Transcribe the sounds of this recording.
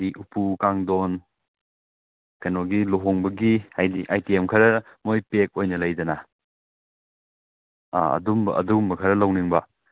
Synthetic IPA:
diʔupukaŋdon | kɐjnoɡiloɦoŋbɐɡiajiajtiemkʰɐɾɐ | mojpek̚ojnɐlɐjdɐna | aɐ̰dumbɐʔɐ̰duɡmbɐkʰɐɾɐlɐwniŋbɐ

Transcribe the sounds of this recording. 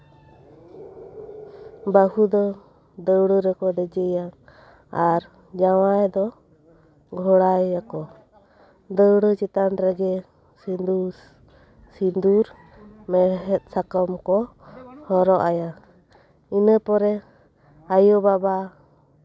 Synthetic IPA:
bahud̪ɔ | d̪əwɽəɾɛkɔd̪ɛd͡ʒəjaŋ | aɾ | d͡ʒawajd̪ɔ | ɡʱɔɽajːakɔ | d̪əwɽət͡ʃɛt̪anɾɛɡɛ | sind̪u | sind̪uɾ | mɛɦɛt̪̚ˀsakɔmkɔ | hɔɾɔʔaja | inəpɔɾɛ | ajɔbaba

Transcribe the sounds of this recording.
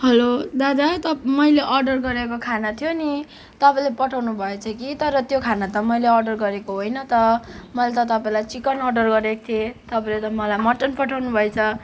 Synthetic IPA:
ɦʌlod̪ad̪at̪ʌmʌjleʔʌrɖʌrɡʌɾekokʰanat̪ʰjoni | t̪ʌpãlepʌʈʰawnubʱʌet͡sʰʌkit̪ʌɾʌt̪jokʰanat̪ʌmʌjleʌrɖʌrɡʌɾekoɦojnʌt̪ʌmʌjlet̪ʌt̪ʌpaĩlajt͡sikʌnʌrɖʌrɡʌɾekt̪ʰiet̪ʌpãlet̪ʌmʌlajmʌʈːʌnpʌʈʰawnubʱʌjt͡sʰʌ

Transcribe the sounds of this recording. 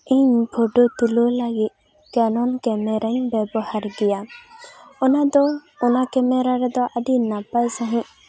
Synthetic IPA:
iɲbʰʱɔɖot̪ulolaɡit̪̚ | kanɔnkɛmɛɾaɲbɛbɔhaɾɡɛja | ɔnad̪ɔ | ɔnakɛmɛɾaɾɛd̪ɔʔad̪inapajsaɦĩ

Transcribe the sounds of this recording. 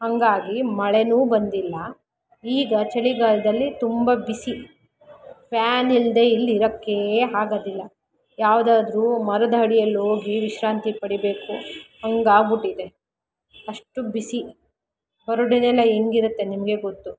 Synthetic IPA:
hɐŋɡaːɡimɐɭenuːbɐnd̪ilːɐ | iːɡɐt͡ʃɐɭiɡaːlɐd̪ɐlːit̪umbɐbisi | pʰjaːnild̪e̞ːilːiɾɐkːe̞ɦaːɡɐd̪ilːɐ | jaːʋd̪aːd̪ɾuːmɐɾɐd̪ɐɦɐɽijɐloːɡiʋiʃɾaːnt̪ipɐɽibe̞ːkuhɐŋɡaːɡuʈːid̪e̞ | ɐʂʈubisi | bɐɾoɽinɛlːɐeŋɡiɾut̪ːe̞nimɐɡe̞ɡot̪ːu

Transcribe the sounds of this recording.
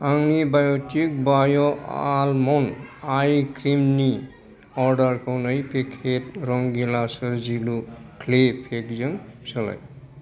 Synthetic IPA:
aŋnibajotik̚bajɔalmɔnajkɾimni | ɔɾɖəɾkɔwnʌjpʰekʰet̪ɾɔŋɡelasʌɾd͡ʒilukʰlepʰekzʌŋsəla̰j

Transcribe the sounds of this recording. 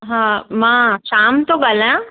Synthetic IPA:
ɦãmãːʃaːmt̪oɡalã

